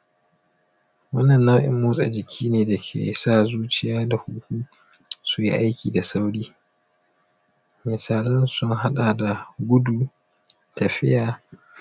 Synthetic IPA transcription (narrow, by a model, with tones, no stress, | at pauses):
wɐ˦nːɐ˨nːa˦ʔɪ̰˦mːuː˦sʼa̰˨d͡ʒɪ˨kʲʰiː˦neː˨da˨kʲʰḛː˨saː˦zuː˦t͡ʃɪ˨jaː˦da˨hu˦kʷuː˦ | su˦jḭ˦ʔa˦jkʲʰiː˨da˨sa˦wɽiː˦ | mɪ˨saː˨lɐ˦nsʊ˦ŋɦa˦ɗaː˨da˨ɡʷʊ˦duː˨ | tɐ˨ɸɪ̰˦jaː˨